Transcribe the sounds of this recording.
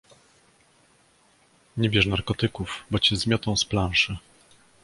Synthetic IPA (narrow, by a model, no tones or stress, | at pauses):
ɲɛbʲjɛʂnaɾkɔt̪ɘkuvbɔt͡ɕɛzmʲjɔt̪ɔ̃w̃splãʂɘ